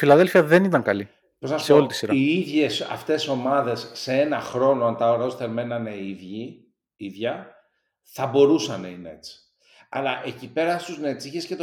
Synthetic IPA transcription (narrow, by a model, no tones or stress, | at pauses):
filɐðe̞lfiɐðe̞nit̪ɐŋkɐli | peznɐsseo̞lit̪isiɾɐiiðʝe̞sɐ̰ft̪e̞so̞mɐðe̞sːeenɐxɾo̞noɐnt̪ɐoɾɐosθeɾme̞nɐneiðʝi | iðʝɐ | θɐbo̞ɾusɐnɐ̰ineet͡si̥ | ɐ̰lɐʔecipe̞ɾɐst̪uznet̪siçescet̪